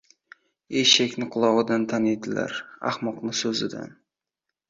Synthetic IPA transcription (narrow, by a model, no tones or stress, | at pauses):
eʃakʲnɪqʰʊlˠɒwɨd̪ant̪ʰaned̪ɪla̰ɾa̰hmɒqnɪsɵzɪd̪a̰n